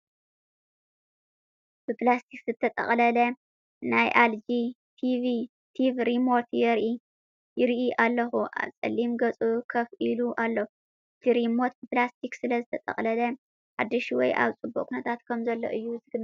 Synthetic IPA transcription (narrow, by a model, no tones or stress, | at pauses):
b̥ɨplast̪ʰikzɨt̪ʰːɐt̪ʼɐ̰χʼlɐlɐ | najʔald͡ʒi | t̪ʰivi | t̪ʰivɾimo̞ɾt̪jɛɾʔi | jɪɾʔiʔalːɐxuʔa̰βsʼɐ̰lːimɡɐt͡sʼukʰɐfʔiluʔalːo | ʔʔɨt̪ʰiɾimo̞t̪̚bɨplast̪ʰiksɨlɐzɨt̪ʰɐt̪ʼɐ̰χʼlɐlɐ | ħad̪ːɨʃwɔjʔa̰βt͡sʼɨbːokʼʰunɐt̪ʰat̪kʰɐmzɐlːo̰ʔɨjːuzɨɡn